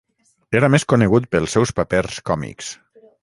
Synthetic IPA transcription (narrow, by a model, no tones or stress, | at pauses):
eɾameskuneɣut̪̚pəlˠsːɛwspaperskɔmḭks